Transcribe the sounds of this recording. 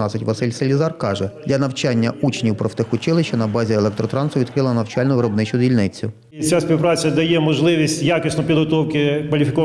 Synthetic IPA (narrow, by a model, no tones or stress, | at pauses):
ɑt̪sʲɪtʲʋɐsɪlʲselʲizɑrkɑʒɛd̪lʲɐnɐwt͡ʃɑnʲːɐʔut͡ʃenʲiwpɾɔft̪ɪxʊt͡ʃɪlˠɪʃt͡ʃːɐnɐbɑzʲielˠɛk̚t̪ɾɔt̪ɾɑnsʊʋʲid̪kɾɪlˠɐnɐwt͡ʃɑlʲnʊʋɪɾɔbnɪt͡ʃʊdʲilʲnɪt͡sʲʊ | t͡sʲasʲpʲiwpɾɑt͡sʲɐd̪ɐjɛmɔʒlˠɪʋʲisʲtʲjakʲɪsnɔpʲid̪ɦɔt̪ɔwkɪkʋɐlʲifʲɪkɔ